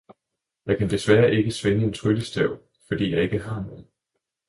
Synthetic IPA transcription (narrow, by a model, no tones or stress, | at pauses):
jɑ̈ɪkʰænd̥e̝sʋæːɐʔe̝ɡ̥əsʋenəe̝nt͡sʰʁyləsd̥ɛʊ̰ | fɒ̽d̥ḭːjɑ̈ɪe̝ɡ̥əɦɑ̈noð̩ˠ